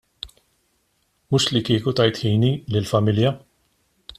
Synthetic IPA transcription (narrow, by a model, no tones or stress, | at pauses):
muːʃlikɪːkut̪ɐjt̪ħiːnilɪlfɐmɪljɐ